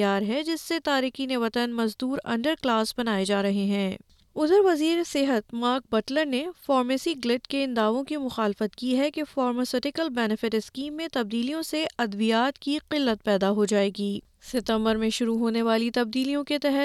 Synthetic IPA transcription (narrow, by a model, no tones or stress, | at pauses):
jaːɾɦɛd͡ʒɪsːet̪aːɾiːkineʋɐt̪ənmɐzd̪uːɾɐ̰̃ɳɖəɾklaːsbɐnaːed͡ʒaːɾɐɦeɦɛ̃ː | ʊd̪əɾʋɐziːɾesɪɦət̪maːɾk̚bɐʈləɾnefɔːɾmeːsiɡlɪʈkeɪ̃nd̪aːʋõkimʊxaːlɪfət̪kiɦɛkefaːɾmɐsɪʈɪkəlbɛːnɪfɪʈɪskiːmːẽt̪ɐb̚d̪iːlijõseʔɐd̪bijaːt̪kiqɪlːət̪̚pɛːd̪aɦod͡ʒaːeːɡiː | sɪt̪ə̃mbəɾmẽʃʊɾuɦoːneʋaːlit̪ɐb̚d̪iːlijõket̪ɛɦɛ